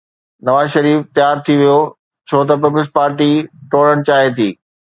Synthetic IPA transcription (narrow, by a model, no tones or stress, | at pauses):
nɐʋaːzʃɐɾiːft̪jaːɾt̪ʰiʋijo | t͡ɕʰoːt̪̬ɐp̬ɪplspaːɾʈiʈoːɽəɽ̃t͡ɕaːɦet̪ʰiː